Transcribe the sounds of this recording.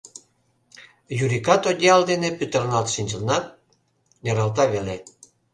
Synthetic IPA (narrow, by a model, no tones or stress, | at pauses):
juɾikɑt̪od̪ʲjɑld̪enepyt̪ərnɑlt̪ʃinʲd͡ʑəlnɑt̪̚ | neɾɑlt̪ɑβele